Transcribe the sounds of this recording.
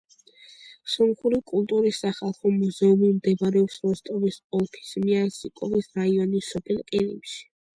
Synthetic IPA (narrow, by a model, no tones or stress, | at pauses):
sɔnχuɾikʼulˠt̪ʼuɾisːaχalˠχɔmuzɛumimd̪ɛbaɾɛɔpsmɔst̪ʼɔvisʼɔlˠpʰi̥smiansikʼɔvisɾaiɔnisɔpʰɛlˠqʼiɾḭmʃi̥